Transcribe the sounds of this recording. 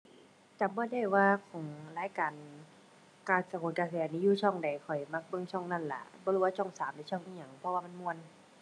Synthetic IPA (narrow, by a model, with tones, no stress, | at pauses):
t͡ɕa˨˦mbɔː˧˦da˧˩jwaː˧kʰɔ˨˩˦ŋlaː˨˦˥jkaː˨n | kaː˧˩sa˧˩kʰoː˨˦nkaː˧˩sɛː˧˨˧niː˧juː˧˩t͡ɕʰɔ˧˩˨ŋda˨˩jkʰɔ˨˩jma˧˩k̚bɤ˧˨ŋt͡ɕʰɔ˧˥˩ŋna˧˥˨nla̰˧˩bɔː˧lːwaː˧t͡ɕʰɔ˧˩˨ŋsaː˨˦mda˧˦t͡ɕʰɔ˧˩ŋʔi˧˩ɲa˧˩ŋpʰɔ˧waː˧ma˧˥˨nmu˧ə˨n